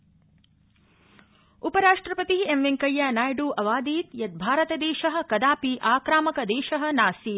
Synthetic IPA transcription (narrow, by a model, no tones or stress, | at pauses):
upɐɾaːʂʈɾɐpɐt̪iemʋeŋkɐjːanaːjɖuʔɐʋaːd̪iːt̪jɐt̪̚bʱaːɾɐt̪ɐd̪ɛːʃɐɦɐ̆kɐd̪aːpiʔaːkɾaːmɐkɐd̪ɛːʃɐɦɐ̆naːsi